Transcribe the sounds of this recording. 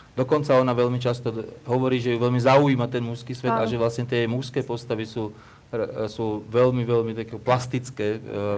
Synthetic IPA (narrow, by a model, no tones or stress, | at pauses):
d̪ɔkɔnt͡saɔnaʋɛʎmit͡ʃast̪ɔɦɔʋɔɾiːʒɛjuʋɛʎmizauiːmat̪ɛnmuskiːsʋɛd̪aʒɛʋlasɲɛt̪ɪɛɛmuskɛːpɔst̪aʋisuː | suːʋɛlmiʋɛlmit̪akɛːkɔplast̪it͡skɛː